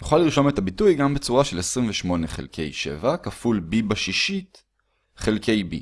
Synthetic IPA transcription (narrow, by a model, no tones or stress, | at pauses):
nuχaliʁʃo̞me̞tabitujɡambe̞t͡suʁaʃe̞lesʁimveʃmo̞neχe̞̰lkʰe̞̰jʃḛvakafulbibaʃiʃit | χe̞lkʰe̞jbḭ